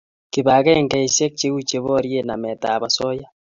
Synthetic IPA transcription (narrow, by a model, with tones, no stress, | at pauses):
ki˨βa˨ɣɛ˦ŋɡa˨i˨se˦k̚t͡ʃe˦u˦t͡ʃe˨βoɾje˦namɛ˨ta˨βa˨so˦ja